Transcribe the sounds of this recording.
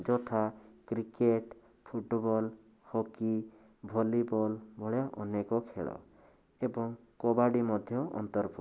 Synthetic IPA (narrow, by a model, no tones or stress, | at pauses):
d͡ʒɔt̪ʰakɾikeʈ | pʰuʈbɔl | hoki | bʱɔlibɔlbʱɔɭjaʔɔnekɔkʰḛɭɔ̰ | ebɔŋ | kɔbaɖimɔd̪ʱjɔʔɔ̰nt̪ɔɾpʰu